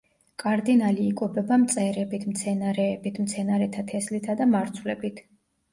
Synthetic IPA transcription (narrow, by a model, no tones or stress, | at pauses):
kʼaɾd̪inaliːkʼɔbɛbamt̪sʼɛɾɛbit̪ʰmt̪sʰɛnaɾɛːbit̪ʰmt̪sʰɛnaɾɛt̪ʰat̪ʰɛslit̪ʰad̪amaɾt̪sʰwlɛbit̪ʰ